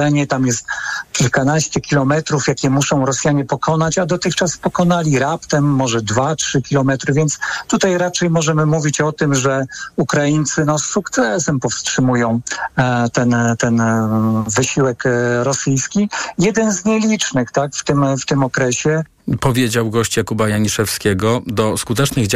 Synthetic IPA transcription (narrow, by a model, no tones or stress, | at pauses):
ɛɲɛt̪amjɛst̪kʲilkanaɕt͡ɕɛkʲilɔmɛt̪ɾufjakʲɛmusɔ̃w̃ɾɔsjaɲɛpɔkʰɔnat͡ɕad̪ɔt̪ɘxt͡ʂaspɔkɔnalʲiɾapt̪ɛmːɔʐɛd̪vatʂɘkʲilɔmɛt̪ɾɘvʲjɛnt̪st̪ut̪ajɾat͡ʂɛjmɔʐɛmɘmuvʲit͡ɕɔt̪ɘmʐɛukɾajint̪sɘnɔsːukt̪sɛsɛmpɔfstʂɘmujɔ̃w̃t̪ɛnt̪ɛn | vɘɕiwɛkɾɔsɘjskʲijɛd̪ɛnzɲɛlʲit͡ʂnɘxt̪akft̪ɘmft̪ɘmɔkɾɛɕɛ | pɔvʲjed͡ʑawɡɔɕt͡ɕjakubajaɲiʂɛfskʲeɡɔd̪ɔskut̪ɛt͡ʂnɘɣd͡ʑ